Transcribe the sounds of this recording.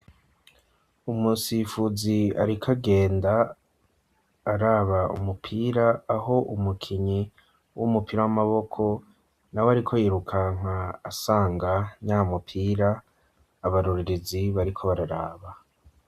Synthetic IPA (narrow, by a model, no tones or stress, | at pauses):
umusifuzia̰ɾikʰaɡe̞ːnda | ɾaːβaṵmupʰiːɾaːɦo̞ʔumukʰiɲi | wumupiɾawamaβo̞kʰo̞ | nawoaɾikʰo̞jiɾukʰaŋ̥aːsaːŋɡaɲaːmupʰiːɾaː | βaɾuɾiɾeziβaɾikʰo̞βaɾaɾaːβa